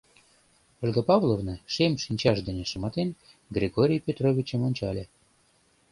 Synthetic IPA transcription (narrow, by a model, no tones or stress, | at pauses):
olʲɡəpɑvlˠovnɤʃemʲʃinʲt͡ɕɑʃd̪ənʲĕʃə̆mɑt̪en | ɡrʲeɡoɾʲijpʲet̪rovʲit͡ɕəmonʲt͡ɕɑlʲe